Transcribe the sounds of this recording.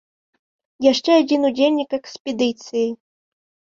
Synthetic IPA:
jaʂt͡ʂɛad͡zʲinud͡zʲelʲnʲikɛkspʲɛd̪ɨt̪sɨji

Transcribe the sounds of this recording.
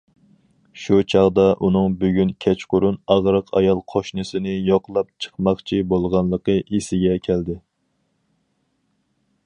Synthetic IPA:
ʃut͡ʃʰɑʁd̪ɑʔunɨŋbyɡʲynkʲʰɛt͡ʃqʊɾunɑʁɾəqʰɑ̰jɑlˠqʰoʃnɨsɪnɪjoqʰlˠɑp̚t͡ʃʰə̥χmɑχt͡ʃʰibolˠʁɑnlˠəqəʔisɪɡʲɛkʲʰæld̪ɪ

